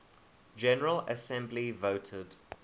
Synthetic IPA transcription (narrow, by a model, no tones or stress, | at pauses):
d͡ʒɛnəɹələsɛ̃mblivəʊtʰɪd̥